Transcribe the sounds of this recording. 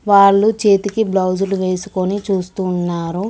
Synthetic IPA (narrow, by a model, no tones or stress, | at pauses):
ʋaːɭːut͡ʃe̞ːt̪ikiblɐwd͡ʒuluʋe̞ːsu̥ko̞nit͡ʃuːst̪unːaːɾu